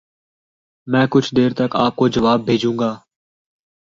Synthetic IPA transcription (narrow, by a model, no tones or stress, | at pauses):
mɛ̃ːkʊt͡ʃʰd̪eːɾt̪əkaːp̚koːd͡ʒəʋaːbʱːeːd͡ʒũːŋɡaː